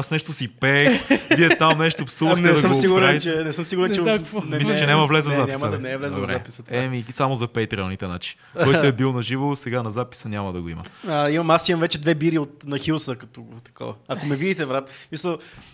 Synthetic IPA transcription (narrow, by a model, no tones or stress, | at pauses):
asnɛʃt̪osipɛkviɛt̪amnɛʃt̪opsuləxnɛd̪ɐsəmsiɡʊɾɛnt͡ʃɛnɛsɤmsiɡʊɾɛnt͡ʃɛnɛmislt͡ʃɛnʲamɐvlɛzəvzanʲisasmnɛːvlɛzɾɛzapisət̪ɛmisamozɐpɛjt̪ɾɛlˠnit̪ɛna̰t͡ʃi̥ | kɔj̪oɛbilˠnɐʒivosɛɡanɐzapi̥sənʲaməd̪ɐɡoimə̰ɐimɐmasimɐmvɛt͡ʃɛd̪vɛbiɾiot̪nɐxilˠsəkɐt̪oɡt̪ɐ̥kɔ̰vɐɐkomɛvid̪it̪ɛvɾat̪smisəlˠ